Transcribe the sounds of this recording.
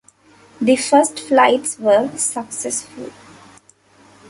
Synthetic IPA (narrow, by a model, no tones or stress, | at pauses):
d̪ifəsʈflaɪʈsʋəːsəksɛsfʊ̰l